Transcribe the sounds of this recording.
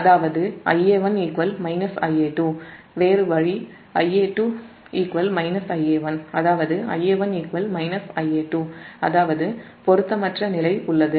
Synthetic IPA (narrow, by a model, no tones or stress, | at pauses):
ɐðaːʋɐðɯɐ̰jeːʋɐniːkʋɐlmɐɪnɐsɐ̰ɪeːʈːuː | ʋeːɾɯʋɐɻi | ɐjeːʈːuː | iːkʋɐlmɐɪnɐsɐjeːʋɐnɐðaːʋɐðɯɐ̰jːeːʋɐniːkʋɐlmɐɪnɐsɐɪeːʈːuːɐðaːʋɐðɯ | pɔɾɯt̪ːɐmɐʈrɐnɪlɐɪʊɭːɐðɯ